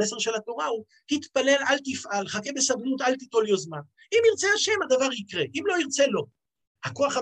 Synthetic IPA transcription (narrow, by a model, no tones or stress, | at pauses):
ese̞ʁʃe̞lat̪o̞ʁau | hit̪pale̞lalt̪ifʔalχake̞be̞sabnut̪alt̪it̪o̞ljozman | imiʁt͡seaʃemad̪avaʁikʁeʔimlo̞iʁt͡se̞lo̞ | hako̞aχa